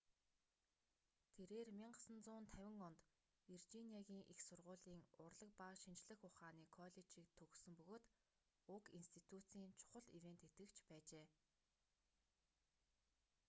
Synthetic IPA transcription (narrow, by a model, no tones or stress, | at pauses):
t̪ʰeɾeːrmʲiɴɢə̆sə̆nt͡sʊːnt̪ʰæwʲɪ̆ŋɔnt̪ | irt͡ɕiniaɣʲiːŋʔixsʊrʁʊːɮiːŋʊrɮə̆k̚paːʃint͡ɕɮə̆xʊχaːniːkʰɔɮet͡ɕiːk̚t̪ʰɵɣsɵ̆mpɵɣoːt̪ | ʊkinst̪ʰit̪ʰut͡siːnt͡ɕʰʊ̥χə̆ɮiwent̪ʰet̪ɡɘ̆kt͡ɕʰpæːt͡ɕeː